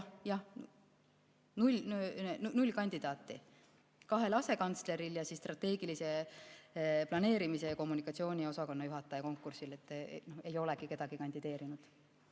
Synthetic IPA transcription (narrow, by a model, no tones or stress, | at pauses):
jjɑh | nulʲnnnulʲkɑnʲd̪̥id̪ɑːt̪ːˑi | kɑɦe̞lɑse̞kɑnt̪sle̞ɾiljɑsisːt̪rɑt̪ːe̞ːɡilise̞ | plɑne̞ːɾimise̞ko̞mːunikɑt̪sio̞ːnʲio̞sɑko̞nːɑjuɦɑt̪ːˑɑjɑko̞ŋkːˑursile̞t̪ˑːno̞he̞jo̞le̞ɡike̞d̪̥ɑɡ̥ikɑnʲd̪id̪̥e̞ːɾinud̪̥